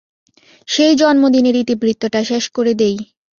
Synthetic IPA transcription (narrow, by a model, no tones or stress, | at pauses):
ʃejd͡ʑɔnmod̪ineɾit̪ibɾit̪ːoʈaʃeʃkoɾed̪ej